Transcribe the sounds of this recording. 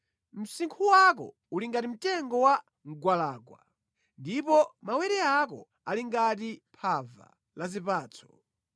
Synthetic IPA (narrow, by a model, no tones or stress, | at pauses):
m̩siŋkʰuwak̬ɔ̰ | uliŋɡatim̩tɛŋɡɔwa | ŋ̩ɡwalaːkwa̰ | ndipɔmawɛɾɛakɔ̰ | aliŋɡat̬ipʰava̰ | lazipaːt͡sʰɔ̥